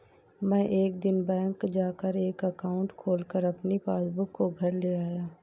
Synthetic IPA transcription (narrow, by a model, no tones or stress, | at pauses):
mɛ̃ːʔeːk̚d̪ɪnbɛ̃ːŋkd͡ʒaːkəɾeːkəkaːʊ̃ɳʈkʰoːlkəɾɐpnipaːsbʊkːoɡʱɐɾleːaːjaː